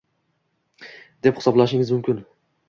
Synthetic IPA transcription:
d̪ephɪsɒblˠaʃɪŋɪzmʊmkʲɪn

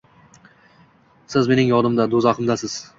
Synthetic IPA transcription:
sɪzme̞nɪŋjɒd̪ɪmd̪ad̪ozaqɪmd̪asɪz̥

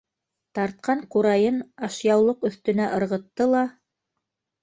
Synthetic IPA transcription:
t̪ɑɾt̪̚qʰɑɴquɾɑjɤnɑʃjɑwlˠoqɵ̆θt̪ɵ̆næʔɤ̆ɾʁɤ̆t̪ːɤlˠɑ

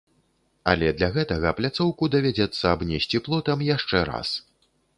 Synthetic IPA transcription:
a̰lʲɛd̪lʲaɣɛt̪ɐɣɐplʲat̪sɔwkud̪ɐvʲad͡zʲɛt̪sːɐːbnʲɛsʲt͡sʲiplˠɔt̪ɐmjaʂt͡ʂɛɾa̰s

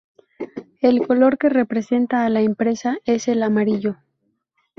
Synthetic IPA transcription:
e̞lko̞lo̞ɾke̞re̞pɾe̞se̞nt̪aːlaempɾe̞sae̞se̞lamaɾiʝo̞

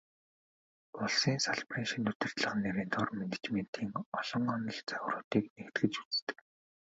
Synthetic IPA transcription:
ʊɮsiːnsaɮpriːnʃĭnt̪ɵt̪ɘ̆r̥t̪ɮə̆χə̆nːeɾiːnt̪ʰʊrmenet͡ɕmen̥t̪ʰiːŋɔɮ̥ɞ̆ŋɔnə̆ɮt͡sœw̆rʊːt̪iːknext̪ɡɘ̆t͡ɕu̥t͡st̪ɘ̥̆k

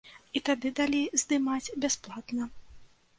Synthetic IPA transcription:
it̪ad̪ɨd̪alʲijzd̪ɨmad͡zʲbʲasplˠat̪nɐ

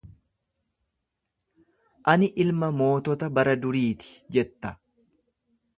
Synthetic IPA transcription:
ʔɐnɪʔɪlmɐmo̞ːt̪ɔt̪ɐbɐɾɐd̪ʊɾiːt̪ɪ̥d͡ʒɛt̪ːɐ̥

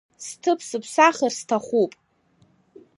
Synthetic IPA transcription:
stʰɨpʰsɨpʰsaχarstʰaχupʼ

